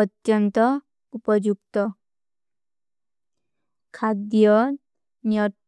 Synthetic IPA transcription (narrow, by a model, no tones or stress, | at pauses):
ʌt̪jʌnt̪ʌ | upʌd͡ʒuk̚t̪ʌ | kʰad̪jʌ | njʌ